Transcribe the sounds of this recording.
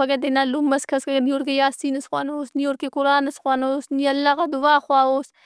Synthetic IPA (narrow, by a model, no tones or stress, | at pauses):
ɐɡɐd̪enaːlumːɐskʰɐskɐɡnioɾkejaːsiːnɐsxwaːnoːsnioːɾkekʊɾaːnɐsxwaːnoːsniɐlːaːɣad̪uaːxwaːoːs